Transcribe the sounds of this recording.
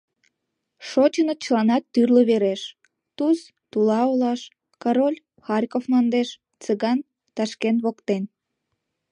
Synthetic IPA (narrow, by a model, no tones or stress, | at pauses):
ʃot͡ɕənət͡ɕəlɑnɑt̪ːyrləβeɾeʃ | t̪us | t̪ulɑolɑʃ | kɑɾolʲ | xɑrʲkofmɑnd̪eʃ | t͡səɣɑn | t̪ɑʃkenβokt̪en